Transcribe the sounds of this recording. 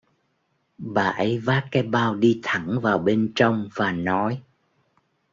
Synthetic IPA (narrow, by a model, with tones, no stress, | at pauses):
ɓaː˨˩ʔə˨˦jvaː˦˥kkaː˨˦jɓaː˧wɗi˧t̪ʰə˧˩ŋvaː˨˩wɓe˧nt͡ɕə˧wŋ͡mvaː˨˩nɔ˨˦j